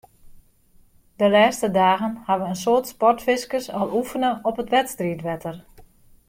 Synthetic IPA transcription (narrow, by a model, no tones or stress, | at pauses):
dəlɛːstədaːɣənhaʋəənsoːtspɔrtfɪskəsɔlˠufənəʔɔpətʋɛtstriətʋɛtʰər